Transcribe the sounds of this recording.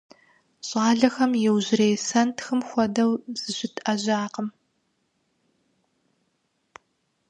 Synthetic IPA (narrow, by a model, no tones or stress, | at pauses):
ɕʼɑːɮɐxɐmjɛwʑɪreːjsɐntʰxɨmxʷɔdɐwz̥ɨɕɪtʰɐʑaːqəm